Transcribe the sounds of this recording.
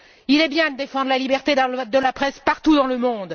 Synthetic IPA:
ilɛbjɛ̃d̪əd̪efɑ̃d̪ʁlalibɛʁt̪ed̪əlapχɛspaʁt̪ud̪ɑ̃ləmɔ̃d̪

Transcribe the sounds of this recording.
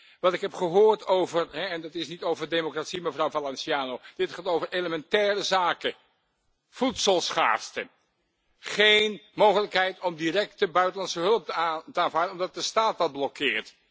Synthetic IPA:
ʋɑntɪkɦɛpχəɦoːɹtowvərɦɛɛndɑtɪsnitowvəɹdemokratsiməvrɑwvalɛnsiaːnowd̥ɪtχaːtowvəɹʔeləmɛntɛːrəzaːkə | v̥utsəlˠsχa̰ːstə | χejnmowχələkɦɛjtɔmdirɛk̚təbœɥtəlɑnsəɦɵləp̚təaːnvaːɹdənɔmdɑt̚dəstaːt̚dɑd̚blɔkɪːɹt

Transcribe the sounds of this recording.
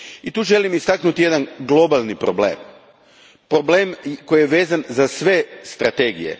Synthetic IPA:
it̪uːʒe̞limist̪aknut̪ije̞d̪anɡlˠo̞balˠnipɾoblḛːm | pɾobleːmko̞jijeʋe̞ːzanzasʋe̞st̪ɾat̪e̞ːɡije̞̰

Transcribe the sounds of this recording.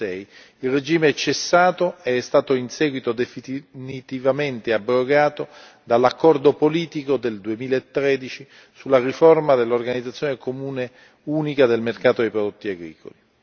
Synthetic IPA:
ɛj | ilred͡ʒiːmeɛt͡ʃːesːaːt̪oeɛst̪aːt̪oinsɛːɡwit̪od̪efinit̪ivament̪eabːɾoɡaːt̪o | d̪alːakːɔrd̪opoliːt̪ikod̪eld̪uemiːlaet̪ːɾeːd̪it͡ʃi | sulːariformad̪elːorɡanid̪zat̪sːjonekomuːne | uːnikad̪elmerkaːt̪od̪ejpɾod̪ot̪ːiaɡɾḭːko̰li

